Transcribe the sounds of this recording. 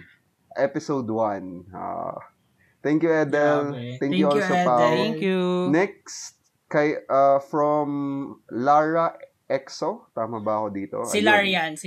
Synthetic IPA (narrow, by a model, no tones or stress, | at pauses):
ʔɛpɪsowd̪wɐna̰ | t̪ɛŋkjʊʔɛd̪ɛlt̪ɛ̃ŋkjʊolsopak | nɛk̚st̪̚ | kɐjafɹomlaɹɐ | ʔɛksot̪aːmɐbɐɐkod̪iːt̪o̰ɐɪlaan